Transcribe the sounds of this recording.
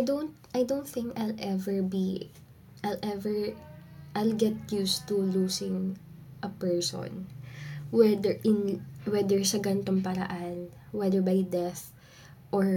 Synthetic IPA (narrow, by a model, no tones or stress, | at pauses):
ʔajd̪ownt̪̚ʔajd̪ownt̪θɪ̃ŋkajlʔɛvɛɹbi | ʔajlʔɛvɛɹ | ʔajlɡɛt̪̚just̪uluːsɪ̃ŋ | ʔɐpɛɹso̰n | wɛd̪ɛɹʔɪnwɛd̪ɛɹsɐɡɐnt̪oŋpɐɾɐ̰ʔan | wɛd̪ɛɹbɐjd̪ɛθ | ʔɔɹ